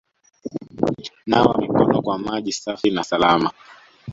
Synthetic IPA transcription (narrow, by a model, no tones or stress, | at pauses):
nawamikɔnɔkwamaʄisafinasalama